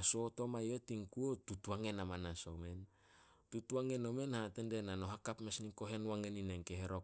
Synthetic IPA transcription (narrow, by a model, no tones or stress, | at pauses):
aso̞to̞majotiŋkuotutuaŋe̞namanaso̰me̞n | tutuaŋe̞no̞me̞nhatendenano̞ɦakapmesniko̞ɦe̞nwaŋenineŋkeheɾok